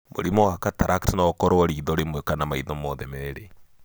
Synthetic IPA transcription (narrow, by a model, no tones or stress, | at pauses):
mo̰ɾimɔwakataɾʔaktnaɔkɔɾɔɔɾiːðɔɾemwɛkanamaiðɔmɔðɛmɛeɾe